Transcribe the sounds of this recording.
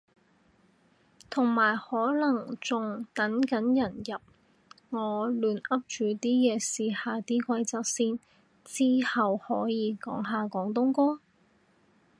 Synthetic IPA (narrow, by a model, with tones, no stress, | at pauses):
t̪ʰʊ˨˩ŋmaː˨˩jhɔː˨˥lɐ˨˩ŋt͡sʊ˨ŋt̪ɐ˨˥nkɐ˨˥njɐ˨˩njɐ˨p̚ | ŋɔː˨˧lyː˨˧nɐ˥p̚t͡ʃyː˨˧t̪iː˥jɛː˨˧siː˨˧haː˨˧t̪iː˥kʷɐ˧jt͡saː˧k̚siː˥n | t͡siː˥hɐ˨whɔː˨˥jiː˨˧kɔ̰ː˨˥ŋɦaː˨˧kɔː˨˥ŋt̪̬ʊ˥ŋkɔː˥ŋ